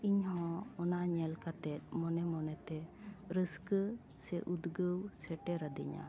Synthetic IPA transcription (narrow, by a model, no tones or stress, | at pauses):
iɲhɔ̃ɔnaʔɲɛlkat̪ɛt̪̚ˀmɔnɛmɔnɛt̪ɛɾisk | sɛʔud̪ɡəwsɛʈɛɾəd̪ḭɲa̰